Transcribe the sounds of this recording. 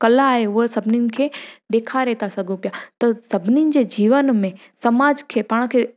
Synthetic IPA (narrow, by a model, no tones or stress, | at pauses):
kɐlaːɦeʊɦəsɐbʱɪninɪ̆kʰeːɗ̪eːkʰaɾɛɦːt̪asɐɡʱopjat̪ɐsɐbʱɪninɪ̆d͡ʑeːd͡ʑiːʋənmẽ | sɐmaːd͡ʑkʰeːpaːɽ̃kʰe